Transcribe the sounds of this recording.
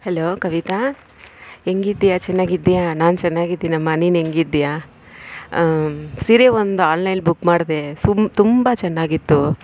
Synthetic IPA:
heloːkɐʋit̪a | eŋɡid̪jat͡ʃɛnːaːɡid̪jaːnaːnt͡ʃɛnːaːɡid̪ːiːinɐmːɐniːneŋɡid̪ija | siɾeːʋond̪uaːnlɐjnbukːmaːɽd̪esut̪umbɐt͡ʃɛnːaːɡit̪ːu

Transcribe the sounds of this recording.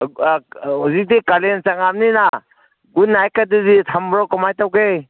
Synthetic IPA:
uzitikalent͡ʃaŋamnina | ɡunːajkaduzitʰambɾɔkɔmajtawkej

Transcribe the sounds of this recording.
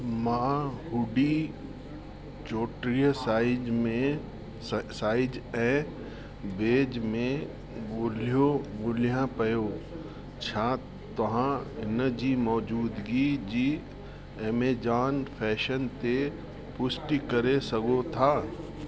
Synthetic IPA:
maːɦʊɖi | t͡ʃoːʈɾijəsaːɪd͡ʒmẽ | saːɪd͡ʒɛ̃ː | beːd͡ʒmẽ | ɡoːljoɡʊlijãpəjoː | t͡ʃʰãː | t̪ɐɦãɪnəd͡ʒimɔːd͡ʒuːd̪ɡid͡ʒi | eːmeːd͡ʒaːnpʰɛːʃənt̪e | pʊsʈikəɾesəɡot̪ʰaː

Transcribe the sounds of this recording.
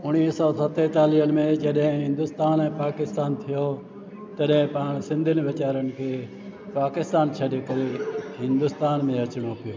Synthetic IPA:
ʊniːsɔːsɐt̪et̪aːliənɪ̆mẽd͡ʒɐɗɦɪ̃ɦɪ̃nd̪ʊst̪aːnɛ̃ːpaːkɪst̪aːnt̪ʰijo | t̪ɐɗɦɪ̃pãːɽ̃sɪ̃nd̪ʱɪnɪʋɪt͡ʃaːɾənɪ̆kʰeː | paːkɪst̪aːnt͡ʃʰɐɗekɐɾeɦɪ̃nd̪ʊst̪aːnmẽɐt͡ʃɽ̃opijoː

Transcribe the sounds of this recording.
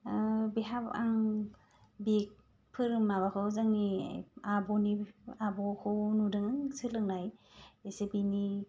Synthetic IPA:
biɦapa̰ŋ | bek̚ | pʰɯɾɯmːaβakʰɯzaŋḭabɔniabɔkʰɯnudɯŋɯŋsɯlɯŋnajesebini

